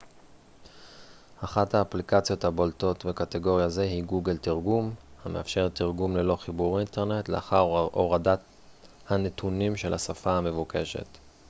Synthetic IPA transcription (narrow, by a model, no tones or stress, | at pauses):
aχathaːplikat͡sjo̞thabolto̞t̪ve̞kateɡo̞ʁjaze̞hiɡuɡe̞ltiʁɡumhame̞afʃe̞ʁt̪iʁɡumle̞lo̞χibuʁinte̞ʁne̞tlḛa̰χaʁoʁadat | hane̞tunimʃe̞lasafaame̞vuke̞ʃe̞̰t